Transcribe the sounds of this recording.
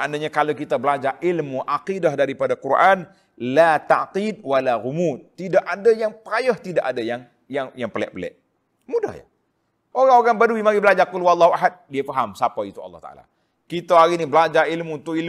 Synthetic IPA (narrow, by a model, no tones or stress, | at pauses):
aʔnaɲãkalakit̪abəlad͡ʒaʔilmuʔaqidahdaɾipadakuɾʔan | lat̪a̰ʔqid̚walaɣumut̪̚t̪ːidaʔadajaŋpəɾajəht̪idaʔadajaŋ | jaŋjaŋpəlɛ̰ʔ̚bəlɛ̰ʔ | muda̰hja̰ | ʔoɾaŋoɾaŋbaduimaɡibəlad͡ʒakʊlwɑlˤːɑɦuʔaɦat̪̚diafaɦamsapait̪uɑ̰lːɑht̪a̰ʔa̰la̰ | kit̪aaɾinibəlad͡ʒailmuːnt̪ʊkil